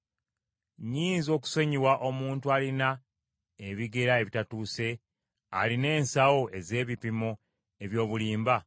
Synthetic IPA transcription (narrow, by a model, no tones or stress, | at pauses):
ɲiːnzo̞ːk̬u̥so̞ɲiwaʔo̞muːntualina | eβiɡe̞ɾae̞βitatuːse̞ | a̰line̞ːnsawo̞ʔe̞ze̞ːβipimo | e̞βjo̞ːβuliːmba